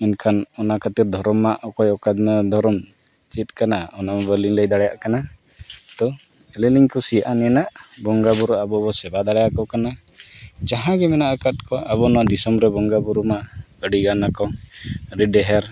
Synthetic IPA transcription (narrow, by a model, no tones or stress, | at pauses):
inkʰanɔnakʰət̪iɾd̪ʱɔɾɔmːaʔɔkɔjɔkad̪ʱɔɾɔm | t͡ʃit̪̚ˀkanaɔnambəɾliŋləjd̪aɽɛja̰ʔkana | t̪ɔ | ɛlɛliŋkɔsijaʔanɛɛnaʔbɔŋɡabuɾɔabɔbɔsɛbad̪aɽɛjakɔkana | d͡ʒaɦãɡɛmɛnaʔəkat̪̚kɔʔabɔnɔwad̪isɔmɾɛbɔŋɡabuɾuma | əɖiɡanakɔɾiɖɛɦɛɾ